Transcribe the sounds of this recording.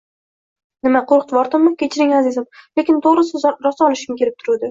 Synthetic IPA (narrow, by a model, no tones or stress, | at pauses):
nɪmaqʰoɾqt̪vɒɾt̪ɪmːɪkʲʰet͡ʃʰɪɾɪŋazesaple̞kʲɪnt̪ʰoʁɾɨsɪzɾɒsaɒlˠɪʃɪmkʲʰe̞ɾɪp̚t̪ʰʊɾud̪ɪ